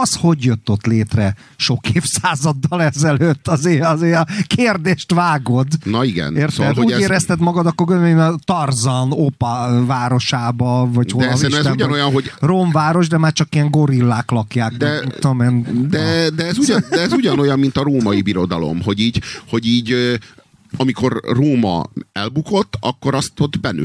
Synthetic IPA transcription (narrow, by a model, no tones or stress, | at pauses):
ɒsho̞ɟjøt̪ːo̞t̪leːt̪rɛ | ʃo̞keːfsaːzɒd̪ːɒlɛzɛløːt̪ːɒzeːɒzeːkeːrd̪eːʃt̪ʋaːɡo̞d̪nɒiɡɛ̰neːrsoɛouːeːɾɛst̪ɛt̪mɒɡɒd̪ɒkːorɡøent̪ɒrzɒnopɒvaːɾo̞ʃaːbɒvɒchod̪ɛliɛzt̪ɛuɟnojɒnɦoɟroːmvaːɾo̞ʒd̪ɛmaːrt͡ʃɒkiɛŋɡo̞ɾilːaːklɒkjaːk̪ɛomend̪ɛd̪ɛɛzuɒnd̪ɛɛzuɟɒno̞jɒmːint̪ɒɾoːmɒjibiɾo̞d̪ɒ̰lo̞̰mɦo̞ɟiːɟho̞ɟiːɟ | ɒmiko̞rroːmɒ̰ɛlbuko̞t̪ːɒkːo̞ɾɒst̪od̪bɛny̰